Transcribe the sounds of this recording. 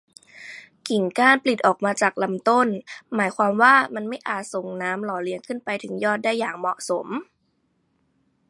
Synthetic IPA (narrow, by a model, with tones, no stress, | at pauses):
ki˨˩ŋkaː˧˩˨npli˨˩t̪̚ʔɔː˨˩k̚maː˧t͡ɕaː˨˩k̚la˧mt̪o˥˩nmaː˩˦jkʰwaː˧mwaː˥˩ma˧nma˥˩jʔaː˨˩t̪̚so˨˩ŋnaː˦˥mlɔː˨˦li˧əŋkʰɯ˥˩npa˧jt̪ʰɯ˩˦ŋjɔː˥˩t̪̚daː˥˩jːaː˨˩ŋmɔ˨˩ʔso˩˦m